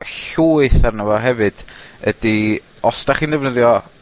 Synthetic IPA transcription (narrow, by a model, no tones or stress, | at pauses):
ɬuːɨθarnəvɔɦɛvɨd̥ədi | ɔsd̥aχiːndɛvnəðjɔ